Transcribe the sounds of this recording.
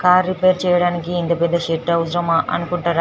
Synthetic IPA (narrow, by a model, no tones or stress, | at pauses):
kaːɾːipeːɾt͡ʃɛːjɐɽaːnikiːnt̪ɐpɛd̪ːɐʃeʈːɐwusɾɐmɐʔɐ̰nukuɳʈaːɾa